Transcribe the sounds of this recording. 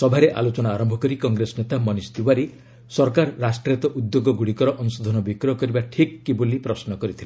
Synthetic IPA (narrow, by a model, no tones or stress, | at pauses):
sɔbʱaɾeʔa̰lot͡ʃɔnaːɾɔmbʱɔkɔɾikɔŋɡɾesɔnet̪amɔnist̪iwaɾi | sɔɾkaɾːasʈɾet̪ɔʔud̪joɡɔɡuɽikɔɾɔʔɔnusod̪ʱɔnɔbikɾɔkɔɾibaʈʰikːibolipɾɔsnɔkɔɾit̪ʰile